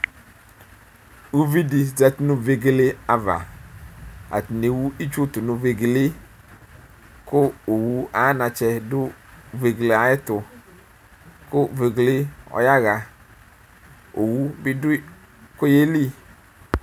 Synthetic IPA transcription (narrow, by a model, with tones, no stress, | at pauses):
wu˦vi˦di˨d͡ʒɛ˨ti˦nʊ̃˦ve˨ɡe˦le˦a˨va̰˨ | a̰˨t̪i˨ne˨wu˦i˦t͡ʃu˦t̪ʊ˨nʊ˨ve˨ɡe˨le˦ | kʊ˦o˨wu˦a˦nã˨t͡ʃɛ˧dʊ˦ve˨ɡle˨a˨jɛ˦t̪ʊ˨ | kʊ˦˨ve˨ɡle˦ɔ̰˨ja˦ɣa˨ | o˨wu˦bɪ˦dʊ˦ | ko˦je˦li˦